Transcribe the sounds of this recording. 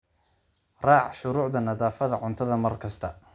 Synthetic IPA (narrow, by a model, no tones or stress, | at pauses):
rɑːʕʃʊɾuːʕðɐnɐðaːfɐðɐʕʊnt̪ʰɐðɐmɐrkʰɐst̪ʰɐ